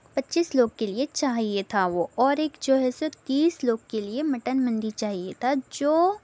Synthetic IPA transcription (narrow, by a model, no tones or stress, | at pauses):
pɐtːʃiːsloːɡ̚keliet͡ʃaːɦiet̪ʰaʋoɔːɾeːkd͡ʒoːɦɛsot̪iːsloːɡ̚keliemɐʈənmə̃nd̪it͡ʃaːɦiet̪ʰad͡ʒoː